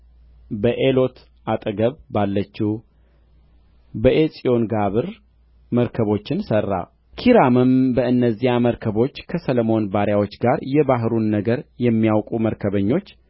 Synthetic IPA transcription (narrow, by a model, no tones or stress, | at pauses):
bəʔelo̞t̪ | ʔat̪ʼəɡəβːalːət͡ʃːi | bəʔesʼio̞nɡaβɨɾ | məɾkʰəβo̞t͡ʃːɪnsərːa̰ | kʰiɾamɨmbəɨnːəzːiaməɾkʰəβo̞t͡ʃːkʰəsələmo̞nbaɾjawo̞t͡ʃːɡaɾjɛbaɦɨɾunːəɡəɾjɛmːijawkʼuməɾkʰəβəɲːo̞t͡ʃː